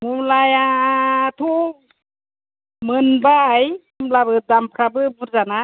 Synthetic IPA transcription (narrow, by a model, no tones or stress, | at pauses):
mumlajatʰu | mɯnbajmumlabɯdampʰɾabɯbuɾzana